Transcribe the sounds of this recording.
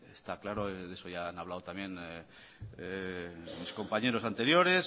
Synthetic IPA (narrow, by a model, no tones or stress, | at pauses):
est̪aklaɾoðe̞so̞ʝaanaβ̞lawt̪amjẽ̞n | misko̞mpaɲe̞ɾo̞sant̪e̞ɾjo̞ɾe̞s